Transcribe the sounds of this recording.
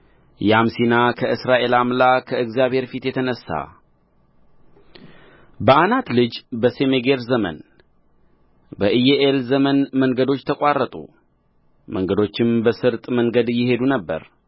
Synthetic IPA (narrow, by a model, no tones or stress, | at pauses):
jamsinakʰəɨsɾaʔe̞lamlakʰəɨɡzijaβhe̞ɾfit̪jɛt̪ʰənəsːa̰ | bəʔanat̪lɨd͡ʒbəse̞meɡe̞ɾzəmə̰n | bəʔɨjeʔelzəmənməŋɡəd̪o̞t͡ʃːt̪ʰəkʼarːət̪ʼṵ | məŋɡəd̪o̞t͡ʃːɪmbəsɨɾt̪ʼməŋɡəd̪jɪhe̞d̪unəbːə̰ɾ